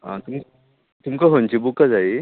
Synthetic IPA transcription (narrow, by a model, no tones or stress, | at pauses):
ã̰t̪umk | t̪umkəɦont͡ɕibukad͡zai